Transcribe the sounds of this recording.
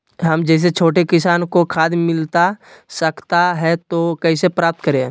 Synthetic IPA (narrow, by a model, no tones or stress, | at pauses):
ɦɐmd͡ʒɛːs̬et͡ʃʰoːʈekɪsaːnkokʰaːd̪mɪlt̪asɐkt̪aɦɛt̪okɛːsepɾaːp̚t̪̚kəɾẽ